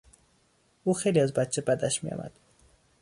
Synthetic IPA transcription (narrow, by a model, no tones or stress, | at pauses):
uxejliazbæt̪̚t͡ʃʰebæd̪æʃmijɑ̰ːmʔæ̰d̪̥